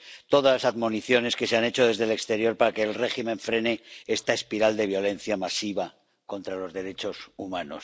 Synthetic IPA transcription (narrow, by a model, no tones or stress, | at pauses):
t̪o̞ðalasaðmo̞niθjo̞ne̞ske̞seane̞t͡ʃo̞ð̞e̞zðe̞le̞kst̪e̞ɾjo̞ɾpaɾake̞ːlre̞ximẽ̞ɱfɾe̞ne̞est̪aespiɾald̪e̞β̞jo̞le̞n̟θjamasiβ̞a | ko̞nt̪ɾalo̞zðe̞ɾe̞t͡ʃo̞sumãno̰s